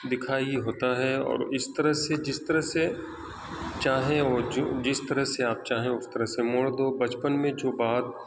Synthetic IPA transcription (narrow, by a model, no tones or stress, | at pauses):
d̪ɪkʰaːiiɦoːt̪aɦɛɔ̰ːɾɪst̪ɐɾəɦsed͡ʒɪst̪əɾəɦse | t͡ʃaːɦẽɔːɾd͡ʒd͡ʒɪst̪ɐɾəɦseaːp̚t͡ʃaːɦẽʊst̪əɾəɦsemoːɭd̪obɐt͡ʃpənmẽd͡ʒoːbaːd̪̚